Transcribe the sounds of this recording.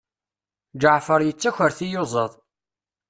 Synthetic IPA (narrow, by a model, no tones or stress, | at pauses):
d͡ʒəʕfəɾˤjət͡sːæçəɾθijozˤəðˤ